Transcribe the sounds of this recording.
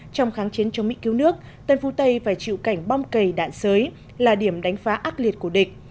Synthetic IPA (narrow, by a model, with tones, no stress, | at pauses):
t͡ɕɔ˧wŋ͡mxaː˨˦nt͡ɕi˨˦nt͡ɕɔ˧wŋ͡mmḭ˧˥ki˨˦wnɨ˦˥ək̚ | t̪ə˧nfu˨˦t̪ə˧jfaː˧˩jt͡ɕḭ˧˨wka˧˩jŋ̟ɓa˧wŋ͡mkə˨˩jɗa̰ː˧˨nsəː˨˦j | laː˨˩ɗi˧˩əmɗa˨˦jŋ̟faː˨˦ʔaː˦˥t̚li˨˩ət̚ku˧˩əɗï˨˩k̟̚